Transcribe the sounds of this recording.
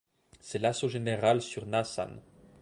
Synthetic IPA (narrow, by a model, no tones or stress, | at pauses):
sɛlasoʒeneʁalsyʁnasa̰n